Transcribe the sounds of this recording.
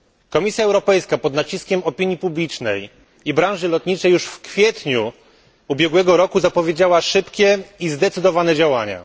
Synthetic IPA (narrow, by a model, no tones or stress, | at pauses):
kɔmʲisʲjaɛwɾɔpɛjskapɔd̪nat͡ɕiskʲɛmɔpʲiɲjipublʲit͡ʂnɛ̰j | ibɾãʐɘlɔt̪ɲit͡ʂɛjːuʂfkfʲjɛt̪ɲu | ubʲjɛɡwɛɡɔɾɔkuzapɔvʲjed͡ʑawaʂɘpkʲɛizd̪ɛt̪sɘd̪ɔvanɛd͡ʑawaɲa̰